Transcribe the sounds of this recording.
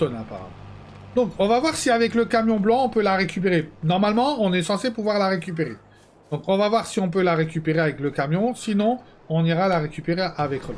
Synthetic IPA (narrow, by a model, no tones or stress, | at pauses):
ɔnapa̰ʁa̰mɑ̰̃ | d̪ɔ̃kɔ̃vavwaʁsiavɛkləkamjɔ̃blɑ̃ɔ̃pølaʁekʲyp̬eʁenɔʁmalmɑ̃ɔ̃nɛsɑ̃sepuvwaʁlaʁekʲyp̬eʁe | d̪̥ɔ̃kɔ̃vavwaʁsiɔ̃p̬ølaʁekʲypeʁeavɛkləkamjɔ̃sinɔ̃ | ɔ̃niʁalaʁekʲypeʁeʔavɛkla